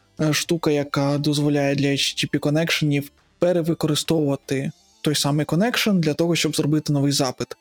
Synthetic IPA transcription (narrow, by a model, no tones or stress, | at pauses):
ʃt̪ukɐjɐkɑd̪ɔzʋɔlʲajɛd̪lʲɐt͡ʃtʲipʲikɔnɛkʃenʲiw | peɾeʋɪkɔɾɪst̪ɔwʊʋɐt̪ɪ | t̪ɔjsɑmɪjkɔnɛkʃɔnd̪lʲɐt̪ɔɦɔʃʲt͡ʃɔbzrɔbɪt̪ɪnɔʋɪjzɑpɪt̪